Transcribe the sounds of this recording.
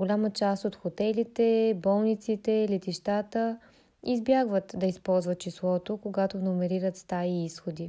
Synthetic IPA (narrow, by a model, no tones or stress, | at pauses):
ɡolʲamət͡ʃast̪ot̪xot̪ɛlit̪ɛbɔlˠnit̪sit̪ɛlɛt̪iʃt̪at̪ə | izbjaɡvət̪d̪ɐispɔlˠzvət̪̚t͡ʃislˠɔt̪okoɡat̪onomɛɾiɾət̪st̪aiisxod̪i